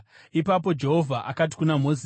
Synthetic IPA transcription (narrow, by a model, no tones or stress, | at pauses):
ipapo̞d͡ʒe̞ɦo̞vʱaʔakat̬i̥kunam̤o̞zi